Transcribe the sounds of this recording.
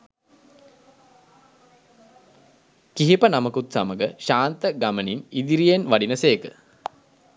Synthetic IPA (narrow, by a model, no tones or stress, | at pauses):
kiɦipənaməkut̪saməɡəʃaːnt̪əɡaməninid̪iɾijenʋaɖinəseːkə